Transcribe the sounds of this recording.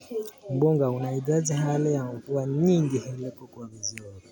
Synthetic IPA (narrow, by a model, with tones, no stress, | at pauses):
m̩˨bɔ˦ŋɡa˨u˨na˨i˨da˦di˦ɦa˦lɛ˦ja˨mu˨ku˦a˦ɲi˦ŋɡi˨hɛ˦lɛ˦kɔ˦kwa˨βi˨zi˨ɔ˨ni˨